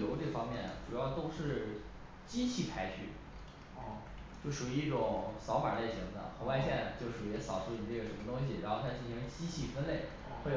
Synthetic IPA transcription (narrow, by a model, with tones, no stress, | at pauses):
jo˧˥ʊʈ͡ʂɤ˥˩fɑ˥ŋmjɛ˥˩nɐ̰˩ʈ͡ʂu˨˩jɑ˥˧ʊt̪o˥ʊʂɻ̩˥˧ | t͡ɕi˥t͡ɕʰi˥˩pʰa˥ɪt͡ɕʰy̰˥˩˥ | t͡ɕjo˥˩ʊʂu˨˩˧i˥˩ʈ͡ʂʊ˨˩ŋsɑ˧˥ʊfa̰˨˩le˥˩ɪɕi˧˥ŋd̪ə̰˧xɤ˧˥wa˥˧ɪɕjɛ˥˧˩n˩t͡ɕjo˥˧ʊʂu˨˩y˧˥sɑ˨˩ʊʂu˥˩i˨˧˩ʈ͡ʂɤ˥˩ə˩ʂə˧˥nmə˧t̪ʊ˥ŋɕ̬i˨˩ɻa̰˧˥xo˥˧kʰa˥˧nt͡ɕi˥˩nʂʰi˧˥ŋ˥˩t͡ɕi˥t͡ɕʰi˥˩fə˥nle˥˩ɪ | xwe˥˩